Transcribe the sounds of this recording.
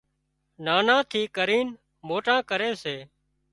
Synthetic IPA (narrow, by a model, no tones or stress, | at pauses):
naːnãːt̪ʰiːkəɾiːn | moːʈãːkəɾeːseː